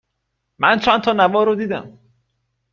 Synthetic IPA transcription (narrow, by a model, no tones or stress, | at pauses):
mænt͡ʃʰænt̪ʰɒːnævɒːɾod̪iːd̪æ̰m